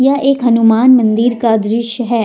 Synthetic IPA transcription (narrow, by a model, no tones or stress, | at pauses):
jɐʔeːkɦɐnumaːnmɐ̃nd̪iɾkad̪ɾɪʃjəɦɛː